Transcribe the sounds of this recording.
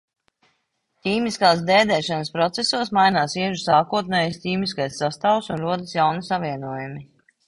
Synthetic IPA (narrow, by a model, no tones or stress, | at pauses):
t̪ʲiːmiskaːsd̪ɛːd̪ɛːʃanəspɾɔt̪sesuɔsmajnaːsiɛʒusaːkuɔt̪̚nɛːjsʲt̪ʲiːmiskajsːast̪aːwsunɾuɔd̪əsjawnisaviɛnuɔjumi